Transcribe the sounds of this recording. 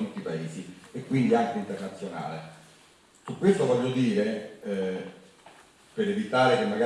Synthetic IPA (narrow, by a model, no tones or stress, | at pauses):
ut̪ːipaeːsiekːwind̪iaŋkeint̪ernat̪sːjona̰ːle | sukːwest̪ovɔʎːod̪iːɾe | peɾevit̪aːɾek̟emːaɡa